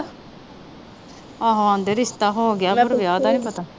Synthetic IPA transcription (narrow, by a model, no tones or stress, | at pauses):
aːɦoãːnd̪eɾɪst̪aːɦoɡɪjaːəɾʋjaːd̪aːnĩːpət̪aː